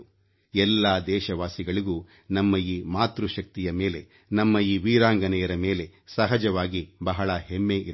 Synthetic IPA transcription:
ɛlːaːd̪ɛːʃɐʋaːsiɡɐɭiɡuː | nɐmːɐiːmaːt̪ɾuʃɐk̚t̪ijɐmeːle̞ | nɐmːɐiːʋiːɾaːŋɡɐnɛjɐɾɐmeːle̞sɐɦɐd͡ʒɐʋaːɡibɐɦɐɭɐɦemːeːʔiɾ

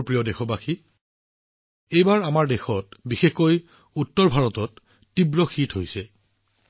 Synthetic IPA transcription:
pɹijɔdexɔbaxi | ejbaɹamaɹdexɔtbixexkoj | utːɔɹbʱaɹɔtɔtː | ibɹɔxitʰɦojsɛ

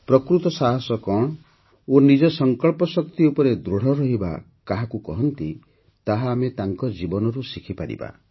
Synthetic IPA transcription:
pɾɔkɾut̪ɔsaɦɔsɔkɔɽ̃ɔ | onid͡ʒɔsɔŋkɔɭpɔsɔkt̪iupɔɾed̪ɾoɽ̤ɔɾɔɦiba̰ | kaɦakukɔ̰ɦɔnt̪i | t̪aɦaːmet̪aŋkɔd͡ʒibɔnɔɾusikʰipaɾḭba̰

